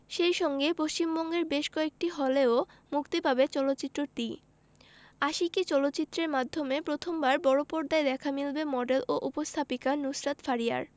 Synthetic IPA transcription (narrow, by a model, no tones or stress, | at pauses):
ʃejʃɔŋɡepost͡ɕimbɔŋɡeɾbeʃkɔek̚ʈiɦɔleo | mukt̪epabet͡ɕɔlot̪ːɕit̪ːɾoɾt̪i | aʃikit͡ɕɔlot̪ːɕit̪ːɾeɾmad̪ʱːomepɾot̪ʰombaɾbɔɽopɔɾd̪aed̪ɛkʰamilbemɔɖelʔoʔupost̪ʰapikanusɾat̪faɾia̰ɾ